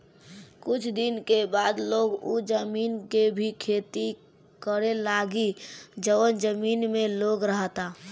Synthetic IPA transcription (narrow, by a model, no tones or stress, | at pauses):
kʊt͡ʃʰd̪ɪnkebaːd̪loːɡud͡ʒəmiːnkebʱikʰeːt̪i | kəɾelaɡid͡ʒəənd͡ʒəmiːnmẽloɡɾəɦt̪a